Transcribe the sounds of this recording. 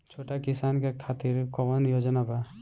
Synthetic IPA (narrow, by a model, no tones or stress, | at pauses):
t͡ʃʰoʈakisankekʰat̪iɾkɔbɔnjod͡ʒənaba